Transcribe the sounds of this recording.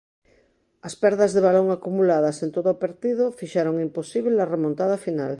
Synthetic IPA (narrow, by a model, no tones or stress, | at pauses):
ɐspɛɾðazðeβ̞aloŋakumulaðɐsent̪oðoːpeɾt̪iðofiʃaɾoŋimposiβlelaremõnt̪að̞ɐfina̰l